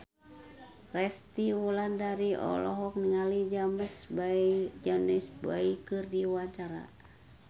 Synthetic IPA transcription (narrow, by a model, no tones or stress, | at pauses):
rɛst̪iwulandaɾiɔ̰lɔ̰ɦɔk̚niŋalid͡ʒaməsbad͡ʒanisbaikɨrdiwaɲt͡ʃaɾa̰